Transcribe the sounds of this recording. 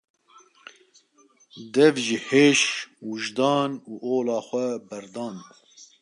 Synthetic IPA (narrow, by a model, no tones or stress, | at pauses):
d̪ɛvʒiheːʃwuʒd̪ɑːnuːʔoːlɑːxʷɛbɛɾd̪ɑːn